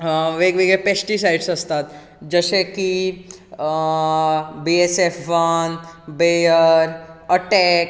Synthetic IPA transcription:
ʋeːɡʋeːɡepeːsʈisaɪɖsɐst̪aːt̪ | d͡ʒəʃeki | bieseːfʋɐnbeːəɾɐʈɛːk

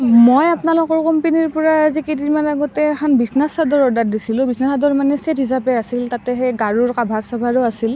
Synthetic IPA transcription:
mojapnalɔkɔɹkɔmpeniɹpɔɹaazikediɹmanaɡɔtɛːkʰanbisnasadɔɹɔdat̚disilʊ̃bisnasadɔɹmanɛsetɦis̬apɛasiltatɛxɛjɡaɹuɹkabʱasɔbʱaɹʊasil

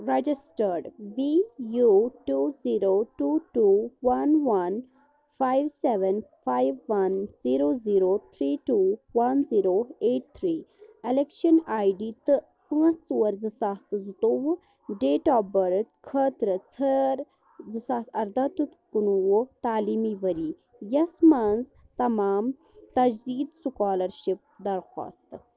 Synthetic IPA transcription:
ɾed͡ʒisʈəɾɖʋijuʈuziːɾoːʈuʈuːʋɐnʋɐn | fʰaːjʋseʋənfʰaːjʋːɐnz̥iːɾoːziːɾot̪ʰɾiːʈuʋɐnziːɾoeːʈ̚t̪ʰɾiːelekʃənaːjɖit̪ɨ | pɨ̃ːt͡st͡suwɐɾzɨsaːst̪ɨzut̪owu | ɖeːʈaːbɐɾt̪kʰəːt̪ɾɨt͡sʰəɾ | zɨsaːsɐɾd̪ɐt̪ut̪kunuwut̪aːliːmiʋɐɾiː | jɐsmaːnzt̪ɐmaːm | t̪ɐd͡ʒd̪iːd̪sukaːlɐɾʃip̚d̪ɐɾxa̰ːst̪

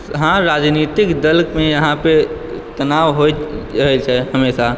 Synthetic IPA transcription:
ɦãɾaːd͡ʒnit̪ɪkd̪əlkmẽjəɦãpe | t̪ənaːʋɦoɾəɦɛt͡ʃʰɛɦəmeːsa

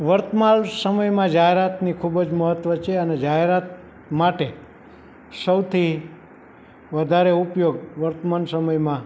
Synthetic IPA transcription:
ʋəɾt̪malsəməjmãd͡ʒaɦeɾat̪nikʰubd͡ʒməɦət̪ʋət͡ʃʰeəned͡ʒaɦeɾat̪̚ | maʈe | səwt̪ʰi | ʋəd̪ʱaɾeupjoɡʋəɾt̪əmansəməjmã

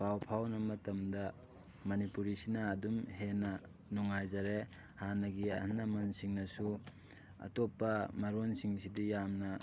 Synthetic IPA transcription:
pʰawpʰawnɐmɐtɐmdɐ | mɐnipuɾisinɐːdumhenɐ | nuŋajzɐɾe | hanɐɡiɐ̰hnːɐmɐnsiŋnɐsu | ɐ̰topːɐmɐɾonsiŋsidijamnɐ

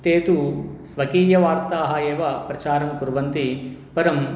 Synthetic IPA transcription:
t̪eːt̪usʋɐkiːjɐʋaːɾt̪aːɦɐeːʋɐpɾɐt͡ʃaːɾɐmkuɾʋɐnt̪ipɐɾɐm

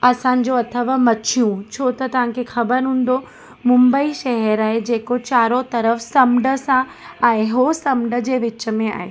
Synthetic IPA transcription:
ɐsãːɲ̆d͡ʑoɐt̪ʰəʋamɐt͡ɕʰijũt͡ɕʰoːt̪ɐt̪ɐʋ̤ãkʰexɐbəɾɦũːn̆d̪o | mʊ̃mbəiʃɐɦɛɾaːɦed͡ʑeːkot͡ɕaːɾot̪ɐɾəfsɐmɖə̆sã | ɛ̃ẽɦosɐmɖə̆d͡ʑeːʋɪt͡ɕə̆mẽa̰ːɦḛː

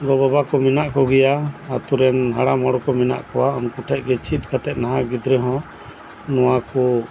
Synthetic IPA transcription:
ɡɔbɔbakɔmɛnaʔkɔɡɛjaːt̪uɾɛnɦaɽamɔɽɔkɔmina̰ʔkɔwaɔnkuʈʰɛʔ̚ˀɡɛt͡ʃit̪̚ˀkat̪ɛt̪̚naɦaɡid̪ɾɛɦɔ̃ | nɔwakɔ

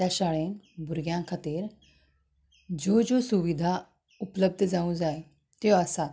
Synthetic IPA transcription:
ɛʃaːɭẽnbʊɾɡjãːkʰət̪iɾ | d͡ʒoːd͡ʒoːsʊʋid̪ʱa | ʊpləb̚d̪ʱzaːũzaːe | t̪joəsa

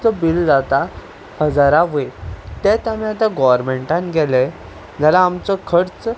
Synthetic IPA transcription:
t͡səbild͡zat̪a | bəd͡zaɾaʋet̪et̪amiat̪ãɡɔʋəɾmeɳʈãnɡɛle | d͡zalaːmt͡sɔkʰəɾt͡s

